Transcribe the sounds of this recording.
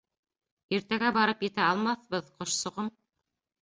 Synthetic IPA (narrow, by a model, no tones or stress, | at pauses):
iɾt̪æɡæbɑɾɤpjɘ̆t̪æɑlˠmɑθβɤðqŏʃsŏʁɤm